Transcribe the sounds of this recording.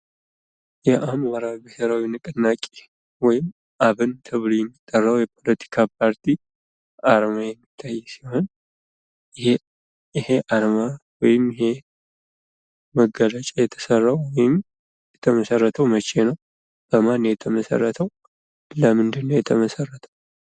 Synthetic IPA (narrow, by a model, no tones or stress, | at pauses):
jɛʔamwaɾabiheɾawinɨkʼɨnːakʼe̥ | wɔjɪm | ʔaβɨnt̪ʰɨβlujɛmːit̪ʼːərːawjɛpʰo̞lət̪ʰi̥kʰapʰaɾt̪ʰi | aɾmajɛmːit̪ʰːajːsiho̞n | h | ɪhe̞ʔaɾmawɔjɪmhe | məɡːələt͡ʃʼajɛt̪ʰə̥sərːawwɔjɪm | jɛt̪ʰəməsərːət̪ʰəwmət͡ʃʼːenəw | b̥əmanːjɛt̪ʰəməsə̰rːət̪ʰəw | ləmɨnd̪ɨnːowjɛt̪ʰəməsərːət̪ʰəw